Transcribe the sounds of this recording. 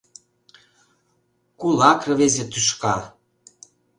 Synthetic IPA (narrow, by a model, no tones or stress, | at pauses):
kulɑkrɤβezet̪yʃkɑ̰